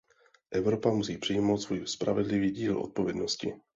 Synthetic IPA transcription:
ʔɛvɾo̞pamusiːpr̝̥ɪjiːmowt̪svojispɾavɛdlɪviːɟiːlʔo̞̰t̪̚po̞vjɛdno̞scɪ̰

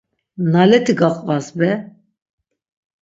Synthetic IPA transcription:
nɑːlɛt̪ʰiɡɑqʼvɑzbɛ

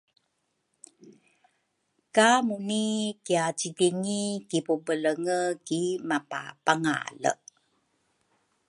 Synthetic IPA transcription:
kamunikiat͡ɕidiŋikipubələŋəkimapa̰paŋa̰lə̰

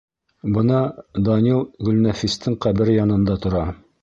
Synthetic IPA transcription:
bɤ̆nɑd̪ɑnʲilˠɡɵ̆lnæfist̪ɘɴqæbɘɾjɑnɤ̆nd̪ɑt̪ŏɾɑ

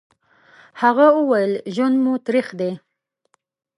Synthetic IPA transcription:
haɣaəwajəlʒwand̪mut̪ɾixd̪e

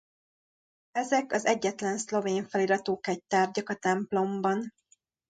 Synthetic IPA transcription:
ɛzɛkɒzɛɟːɛt̪lɛnslo̞veːɱfɛliɾɒt̪oːkɛc̚t̪aːrɟɒkɒt̪ɛmplo̞mbɒn

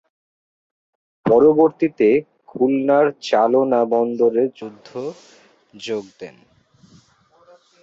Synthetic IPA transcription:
pɔɾoboɾt̪it̪e | kʰulnaɾt͡ɕalonabɔnd̪oɾed͡ʑud̪ʱːo | d͡ʑoɡ̚d̪en

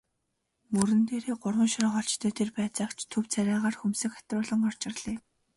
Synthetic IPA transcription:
mɵɾɘ̆nt̪eːɾeːɢʊrwə̆nʃɾɔːχɔɬt͡ɕt̪ʰœːt̪ʰerpæːt͡saːkt͡ɕʰt̪ʰɵwt͡sʰæɾʲaːʁaːrxumsɘ̆kḁt̪rʊːɮə̆ŋɔr̥t͡ɕɪ̆rɮ̥eː

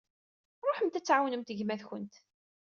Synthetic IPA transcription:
ɾˤoħəmt̪æt͡sːʕawnəmt̪əʝmæðçənt̪

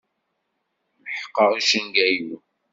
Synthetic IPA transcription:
ləħə̥qːəʁiʃənɡæju

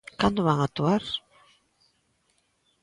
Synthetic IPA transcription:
kand̪ʊβaŋat̪uaɾ

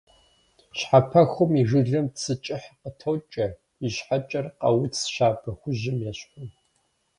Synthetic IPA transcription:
ɕħapʰɐxʷʊmiʐɨɮɐmt͡sʰɨt͡ʃʼɪħqətʰowt͡ʃʼɐ | iɕħat͡ʃʼɐrqɐwʊt͡sʃaːpʰɐxʷʊʑɪmjɛɕħʷʊn

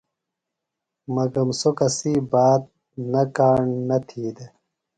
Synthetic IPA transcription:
mɐɡɐmsokɐsibaːt̪̚ | nɐkaːɳnɐt̪ʰiːd̪e

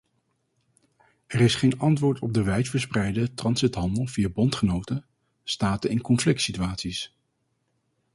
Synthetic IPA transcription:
ɛrɪsχejnɑntʋʊːɹtɔb̚dəʋɛjtfəɹsprɛjdətrɑnsɪtɦɑndəlˠvijabɔntχənowtə | staːtəɪnkɔnflɪk̚tsityaːtsis

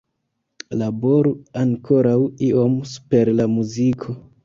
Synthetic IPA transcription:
labo̞ɾuaŋkʰo̞ɾawiʔo̞mspe̞ɾlamuzikʰo̞

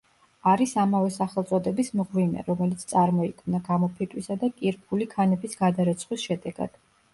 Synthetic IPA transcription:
aɾisamavɛsaχɛlˠt̪sʼɔd̪ɛbismʁvinɛ̰ɾɔmɛlit̪sʰt̪sʼaɾmɔikʰmnaɡamɔpʰɛt̪ʼwisad̪akʼiɾpʰulikʰanɛbisɡ̥ad̪aɾɛt̪sʰχwisʃɛd̪ɛɡa̰d̪̥

